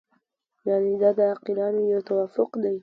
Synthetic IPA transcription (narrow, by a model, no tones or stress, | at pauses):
jaʕnid̪ad̪əaqɪlɑnejowt̪awafʊqd̪aj